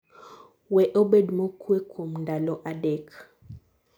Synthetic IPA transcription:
wɛʔobedmokʰwekʰomndalɔʔadɛk

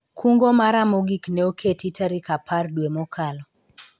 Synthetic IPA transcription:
kʰuŋɡɔmaɾamoɡiknɛokʰetitʰaɾikapardwemɔkʰalɔ

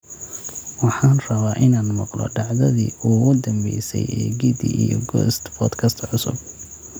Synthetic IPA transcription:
wɑħɑːnrɐβaːʔɪnaːnmɑqlɔ̰ɖɑʕðɐðḭːuːɣʊd̪ɐmbɛjsɛ̰jɛːɡid̪iʔijɔɡɔːst̪bʰɔːd̪kʰɐst̪ʰʕʊsʊ̰b̚

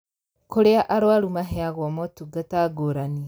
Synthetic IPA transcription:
koɾeaʔaɾwaɾumaɦɛaɣwɔmɔtuɡataɡoɾani

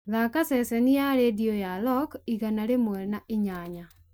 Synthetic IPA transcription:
ðakasɛsɛnijaɾediojalɔkiɣanaɾemwɛnaʔiɲaɲa

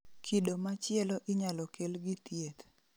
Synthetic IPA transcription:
kʰidomat͡ʃɪɛlɔʔɪɲalɔkelɡɪt̪jet̪

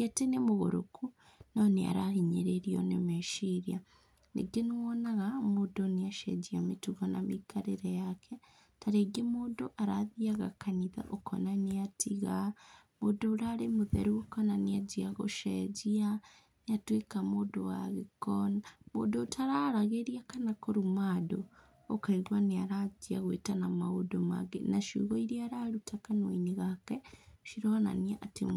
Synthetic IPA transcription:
etenemuɣo̰ɾṵku | nonea̰ɾahiɲeɾeɾio̰nemeʃiɾja | nḭɡeniwonaɣamudoniaʃḛd͡ʒiamituɣona̰mikaɾeɾejakʰe | taɾeɡemudoʔaɾa̰ðiaɣa̰kaniða̰ʔokʰo̰naniatʰiɣa | mudouɾaɾemuðḛɾuokonaniad͡ʒiaɣo̰ʃḛd͡ʒia | niatwekamodowa̰ɣikonaβo̰dotʰaɾaɾaɣeɾiakanakoɾumadoː | kaɾiɾwaniaɾad͡ʒia̰ɣwḛtanamaodoma̰ɡḛnaʃḭɣoiɾiaɾaɾutʰakanwiniɣakeʃiɾoona̰niaʔatḭ

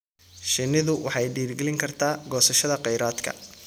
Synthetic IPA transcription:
ʃɪnːɪðʊwʔɑħɑjɖiːrɡɛlɪŋkʰɐrt̪ʰaːɡɔːsɐʃɐðɐqɛjɾaːd̪kʰɐ̰

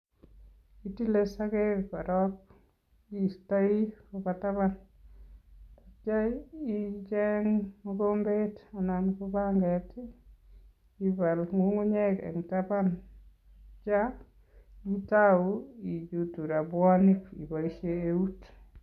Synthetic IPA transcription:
itilesakepaɾɔk̚ | istaikopataβan | at͡ʃait͡ʃɛŋokombetanankubaŋɡɛti | ibalŋuŋuɲɛkɛ̰ŋtaban | t͡ʃa | itawuid͡ʒutuɾabwanikḭbaiʃeeut

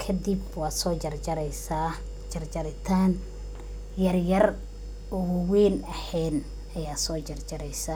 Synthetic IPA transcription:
kʰɐd̪ɪbwɑːsɔːt͡ʃɐrt͡ʃɐɾɛjsaː | d͡ʒɐrt͡ʃɐɾɪt̪ʰaːn | jɐrjɐr | ʊɣʊwɛːnɐħɛːn | ɐjaːsɔːt͡ʃɐrt͡ʃɐɾɛjsɐ

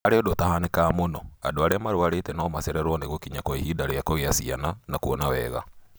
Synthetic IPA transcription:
aɾeɔdotahanekamonɔa̰doaɾeamaɾwaɾetɛnɔmasɛɾɛɾwɔneɣokiɲakɔihidaɾeakɔɣeasiananakuɔnawɛ̰ɣa̰

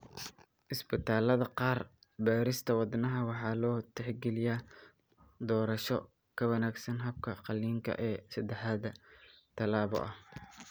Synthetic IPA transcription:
ʔɪsbɪt̪ʰaːlɐðɐqɑːrbaːɾɪst̪ʰɐwɑd̪nɐɦɐwɑħɑːlɔːt̪ʰɛħɡɛlɪjaː | d̪ɔːɾɐʃɔ̰ | kʰɐwɐnaːɡsɐnɦɐb̚kʰɐqɑlːiːŋkʰɐ̰ʔɛːsɐd̪ɛħɑd̪ɐt̪ʰɐlaːβɔ̰ʔɐh

